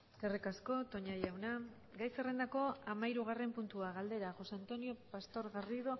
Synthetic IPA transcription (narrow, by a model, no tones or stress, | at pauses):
kerekasko̞t̪o̞ɲajawna | ɡajse̞re̞nd̪ako̞amaiɾuɣ̞are̞mpunt̪uaɣald̪e̞ɾaʝo̞seant̪o̞nio̞past̪o̞ɾɣariðo̞